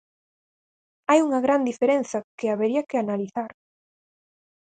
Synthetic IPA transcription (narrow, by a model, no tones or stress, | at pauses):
ajuŋɐɣɾand̪ifeɾẽnθɐkɪaβeɾiɐkɪanaliθaɾ